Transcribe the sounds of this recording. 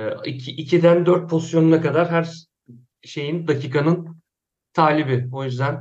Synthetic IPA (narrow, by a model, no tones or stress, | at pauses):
icʰiʔːcʰid̪ænd̪øɾt̪̚pʰozisjo̞nunakad̪aɾɦæɾ | ʃe̞jind̪acʰiːkʰanɯn | t̪ʰaːlʲibɪojyzd̪æn